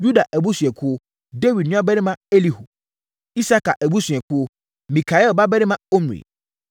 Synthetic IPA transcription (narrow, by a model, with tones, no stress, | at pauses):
ju˦da˨ʔæ˨bu˦sɥɛ˨kʰʊ˦ | de˦wi˨dnʊ̃˦a˦bɛ˦ɾɪ̃˦mã˦e˦li˨ho˨ | i˦sa˦ka˨ʔæ˨bu˦sɥɛ˨kʰʊ˦ | mĩ˨kʰa˨ɛ˦lba˦bɛ˦ɾɪ˦mã˦o˦m˨ḭ˨